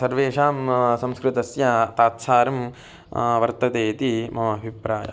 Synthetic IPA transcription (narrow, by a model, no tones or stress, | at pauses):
sɐɾʋeːʂaːmsɐ̃mskɾɪt̪ɐsjɐt̪aːt̪saːɾɐm | ʋɐɾt̪ɐt̪eːt̪imɐmɐːbʱipɾaːjɐ̰